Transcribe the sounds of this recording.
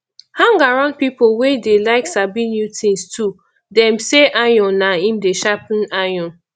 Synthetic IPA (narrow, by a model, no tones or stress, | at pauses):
hãŋɡaɹãnd̚pipowedelaɪksabĩnjutʰĩnstʰu | dɛ̃mseʔajɔ̃naĩmdeʃapnajɔ̃n